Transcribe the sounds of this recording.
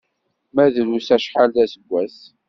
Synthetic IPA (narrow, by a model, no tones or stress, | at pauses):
mæðɾusæʃħalðæsəɡʷːæs